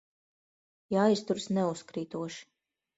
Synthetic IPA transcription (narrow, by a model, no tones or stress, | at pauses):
jajst̪uɾsnɛuskɾiːt̪uɔʃi̥